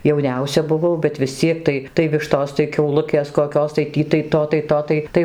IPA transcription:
jɛʊˈnʲɛʊsʲɛ bʊˈʋɐʊ bʲɛt ʋʲɪsʲˈt͡sʲiɛk tɐɪ tɐɪ ˈʋʲɪʃtoːs tɐɪ kʲɛʊˈlˠʊkʲeːs koːˈkʲoːs tɐɪ ˈtʲiː tɐɪ ˈtoː tɐɪ toː ˈtɐɪ ˈtɐɪ

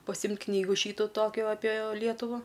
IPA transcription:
pɐˈsʲɪmʲtʲ ˈknʲiːɡʊ ˈʃʲiːtʊ ˈtoːkʲʊ ɐpʲeː ˈlʲiɛtʊʋɐ

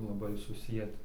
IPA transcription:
lˠɐˈbɐɪ sʊˈsʲiɛtʲɪ

